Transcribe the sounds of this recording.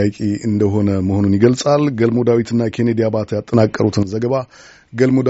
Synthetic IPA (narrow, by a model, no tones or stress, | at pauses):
akʼeʔɨnd̪əɦo̞nəməho̞nunjɪɡəlsʼalɡəlmod̪awit̪ʰɨnːakʰe̞ned̪ijabat̪jat̪ʼːənakʼːəɾut̪ʰɨnzəɡəβa | ɡəlmod̪